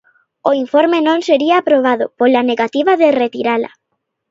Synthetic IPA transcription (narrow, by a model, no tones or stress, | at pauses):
oiɱfoɾmenõŋseɾiaːpɾoβ̞aðʊpolaneɣat̪iβaðeret̪iɾala̰